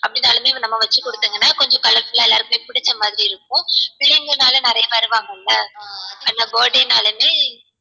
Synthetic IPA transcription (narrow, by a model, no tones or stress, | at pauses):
ɐpːɐɽɪnːaːlɐmeːnɐmːɐʋɐt͡ʃːɯkɔɽɯt̪ːɯːŋɡɐnːaːkɔɲd͡ʒɔ̃kɐlɐɾpɪɭːɐɛlːaːɾkmeːpɪɽɪt͡ʃːɐmaːðɪɾiɪɾɯkːʊ̃pɪɭɪŋɡɯnaːlɐnɪɾɐjɐʋɐɾɯʋaːŋɡɐɪlːɐaːnːaːɡoːɖenaːlɐmeː